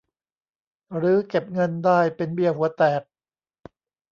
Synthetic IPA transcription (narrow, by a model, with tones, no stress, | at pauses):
ɾɯː˩˦ke˨˩p̚ŋɤ˧ndaː˥˩jpe˧nbi˧ɐhu˩˦ɐt̪ɛː˨˩k̚